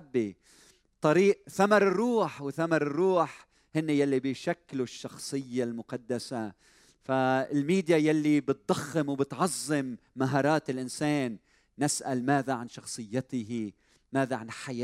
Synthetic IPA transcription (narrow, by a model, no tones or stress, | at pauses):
bːi | t̪ˤɑɾiːʔθamɑɾˤɨrːuːħwɪθamɑɾˤɨrːuːħ | hɪnːɪjalːibɪjʃakːluʃːɑxsˤɨjːalmʊqɑd̪ːasa | faɪlmiːd̪jajalːibɪt̪̚d̪ˤɑxːɪmwbɪt̪ʕɑzˤːɨmː | aɦɑːɾˤɑːt̪ɪlʔɪnseːnː | ɪsʔalmaːðaʕanʃɑxsˤɨjːɪt̪ɪhi | maːðaʕanħaj